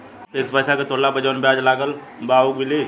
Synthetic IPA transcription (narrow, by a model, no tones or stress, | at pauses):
eːkspəjsaket̪oːlabəd͡ʒoːnbjaːd͡ʒlaːɡəl | baːukmɪli